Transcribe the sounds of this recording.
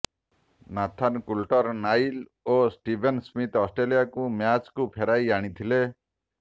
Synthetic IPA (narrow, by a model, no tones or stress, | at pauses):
nat̪ʰankulʈɔɾnajl | osʈibʱensmit̪ɔsʈɾelijakumjat͡ʃkupʰeɾajaɽ̃it̪ʰile